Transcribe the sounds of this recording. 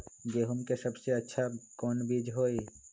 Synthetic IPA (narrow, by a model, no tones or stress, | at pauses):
ɡeːɦʊmkesɐbseɐtːʃʰakɔːnbiːd͡ʒɦoːi